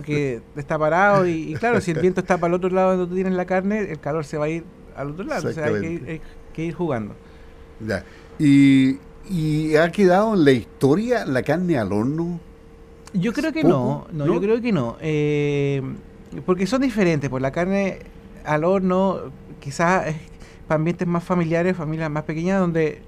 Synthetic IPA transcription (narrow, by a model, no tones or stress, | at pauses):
poɾkeest̪apaɾaoiːklaɾosielβje̞nt̪oest̪ap̬aalo̞t̪ɾolaðokwand̪ot̪ut̪jenezlakaɾneelkalo̞ɾseβaiɾ | a̰lot̪ɾolaðooseaakeiɾaj | keiɾxuɣand̪o̰ | ja̰ | i | iakeðaðoenlaist̪oɾjalakaɾnealoɾno | ɟ͡ʝokɾeokenonojokɾeokenoe | poɾk̬eso̞nd̪ifeɾe̞nt̪ehpolakaɾne | alo̞ɾnokisases | paaːmbjent̪emasfamiljaɾesfamiljamaspekeɲaðo̞nd̪e̞